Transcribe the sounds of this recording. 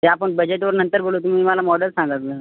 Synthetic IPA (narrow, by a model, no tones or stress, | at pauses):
t̪eapəɳbəd͡ʑeʈʋəɾnənt̪əɾboːloːt̪̬um̤iːməlamɔɖəlsãŋɡat̪lə